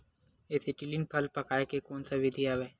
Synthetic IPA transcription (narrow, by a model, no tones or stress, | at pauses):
esɪʈɪlɪnpʰɐlpɐkaːekekoːnsaʋɪd̪ʱijaʋɛː